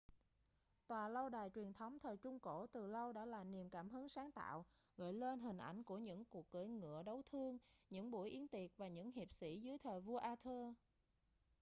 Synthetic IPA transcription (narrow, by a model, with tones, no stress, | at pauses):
t̪waː˨˩lə˧wɗaː˨˩jt͡ɕwi˨˩ənt̪ʰə˨˦wŋ͡mt̪ʰəː˨˩jt͡ɕʊ˧ŋ͡mko˧˩t̪ɨ˨˩lə˧wɗa̰ː˧˥laː˨˩ni˨˩əmkaː˧˩mɦɨ˨˦ŋsaː˨˦ŋt̪a̰ː˧˨w | ɣə̰ː˧˨jle˧nɦï˨˩ŋ̟ʔa̰˧˩jŋ̟ku˧˩əɲɨ̰˧˥ŋku˨˩ək̚ɣəː˧˩˦jŋɨ̰˧˨əɗə˨˦wt̪ʰɨ˧əŋɲɨ̰˧˥ŋɓu˧˩jʔi˨˦ənt̪i˨˩ət̚vaː˨˩ɲɨ̰˧˥ŋhi˨˩əp̚sḭ˧˥zɨ˨˦jt̪ʰəː˨˩jvu˧əʔaː˧t̪ʰəː˧